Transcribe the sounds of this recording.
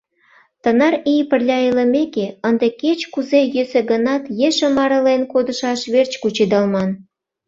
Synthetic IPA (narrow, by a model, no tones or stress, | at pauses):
t̪ənɑɾijpərlʲɑələmekeənd̪eket͡ɕkuzejøseɡənɑt̪jeʃə̆mɑɾə̆lenkod̪əʃɑʃβert͡ɕkut͡ɕid̪ɑlmɑn